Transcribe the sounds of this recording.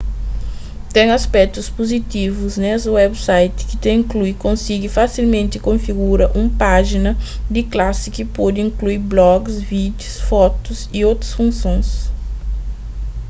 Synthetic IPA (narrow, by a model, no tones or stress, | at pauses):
t̪ẽj̃aspɛk̚t̪ʊspozit̪ivʊznɛsʊwɛbsajt̪ɪ̥kɪt̪ẽĩkluikõsiɡɪfasilmẽnt̪ɪkõfiɡuɾɐʔũpaʒinɐd̪ɪklasɪkɪpod̪ɪĩŋkluiɾblɔɡsvid̪ʊsfɔt̪ʊzɪowt̪ɾɐsfũsõj̃s